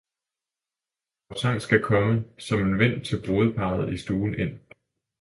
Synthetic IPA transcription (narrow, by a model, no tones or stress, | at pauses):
ɒʊsɑŋ̰sɡ̥ækʰɒ̽məsɒ̽me̝nʋen̰t͡sʰe̝lb̥o̝ːð̞ˠəpʰɑ̈ð̩ˠisd̥uːn̩e̝n̰